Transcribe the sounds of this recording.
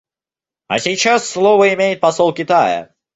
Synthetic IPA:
ɐ̰sʲɪt͡ɕasːlˠovəɪmʲejɪt̪̚pɐsolˠkʲɪt̪ajə̰

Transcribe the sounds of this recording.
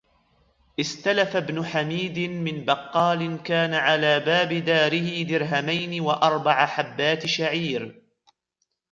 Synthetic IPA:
ʔɪst̪alafabnʊħamiːd̪ɪmɪnbɑqːɑːlɪnkaːnaʕalaːbaːbɪd̪aːɾɪhɪd̪ɪɾɦamajnɪwaʔɑɾˤbɑʕaħabːaːt̪ɪʃaʕiːɾ

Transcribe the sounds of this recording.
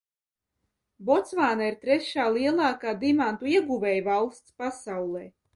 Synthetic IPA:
bɔt̪svaːnaiɾt̪ɾɛʃaːlˠiɛlˠɑːkaːd̪imant̪uiɛɡuvɛːjvalˠst̪spasawlˠɛː

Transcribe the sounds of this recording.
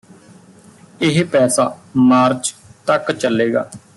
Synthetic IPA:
ɪɦpɛːsaːmaːɾt͡ʃt̪əkt͡ʃəleːɡa̰ː

